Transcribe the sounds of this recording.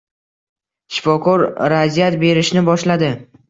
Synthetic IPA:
ʃɪ̥fɒkʰɒɾɾazijat̪be̞ɾɪʃnɪbɒʃlad̪ɪ

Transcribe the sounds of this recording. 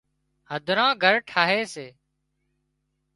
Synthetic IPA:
həd̪ʱɾãːɡʱəɾʈʰaːɦeːseː

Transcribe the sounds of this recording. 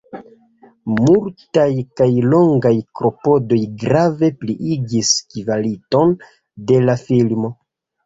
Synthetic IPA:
multajkajlo̞ŋɡajkɾo̞po̞do̞jɡɾave̞pliʔiɡiskivaliton | de̞lafilmo̞

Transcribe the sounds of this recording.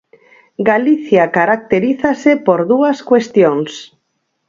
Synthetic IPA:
ɡaliθjakaɾak̚t̪eɾiθasepoɾðuaskwest̪joŋs

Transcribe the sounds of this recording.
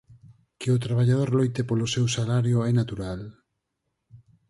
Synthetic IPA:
keʊt̪ɾaβ̞aʎaðoɾlojt̪epolosewsalaɾjoɛnat̪uɾal

